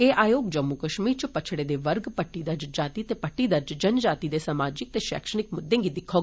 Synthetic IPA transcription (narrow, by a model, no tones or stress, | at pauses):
eːʔaːjoːɡd͡ʒɐmːukəʃmiːɾt͡ʃpɐt͡ʃʰɽed̪eʋəɾɡpɐʈːid̪ɐɾd͡ʒd͡ʒaːt̪it̪eːpɐʈːid̪əɾd͡ʒd͡ʒɐnd͡ʒaːt̪id̪esamaːd͡ʒɪk̚t̪eʃɛ̰ːkʃəɽ̃ɪk̚mʊd̪ːẽŋɡid̪ɪkʰːo